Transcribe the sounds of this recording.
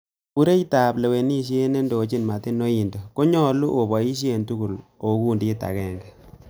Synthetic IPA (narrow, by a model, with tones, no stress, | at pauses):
u˦ɾe˦i˦ta˨ple˨we˨ni˦ʃ̬je˦ne˦ndo˨t͡ʃi˦nma˨te˦no˦i˨ndo˨ko˦ɲɔ˦lu˦ʔo˨bɔ˨i˦ʃ̬je˦ntu˦ku˨lo˨˦ku˦ndi˦ta̰˨kɛ˦ŋɡɛ˨